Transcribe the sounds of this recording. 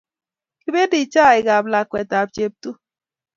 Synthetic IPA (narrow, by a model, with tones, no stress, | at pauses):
ki˦be˦di˨t͡ʃa˦˨i˨ɡa˨bla˨kwɛ˨ta˨b̚t͡ʃe˨p̚tu˦